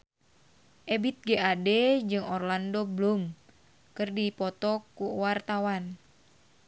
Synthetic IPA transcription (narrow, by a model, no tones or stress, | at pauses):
ʔɛbit̪̚ɡeʔadɛd͡ʒɨŋɔrlandoblum | kɨrdipɔt̪ɔkuwart̪awan